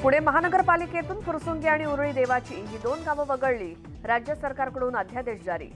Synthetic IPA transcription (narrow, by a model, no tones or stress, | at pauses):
puɽ̤eməɦanəɡəɾpaliket̪uːnfuɾsuːnɡiaɽ̃iuɾɭiːd̪eʋat͡ɕiːɦiːd̪onɡaʋəʋəɡəɭliː | ɾad͡ʑjəsəɾkaɾkəɽuːnəd̪ʱjad̪eɕd͡zaɾḭː